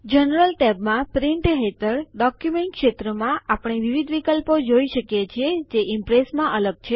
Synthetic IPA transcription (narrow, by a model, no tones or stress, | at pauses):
d͡ʒənɾəlʈebmãpɾiɳʈɦet̪əɾɖɔkjumeɳʈ̚kʃet̪ɾəmãʔapəɳ̃eʋiʋid̪ʋikəlpod͡ʒoiʃəkjet͡ʃʰied͡ʒeʔɪmpɾesmãʔələɡ̚t͡ʃʰe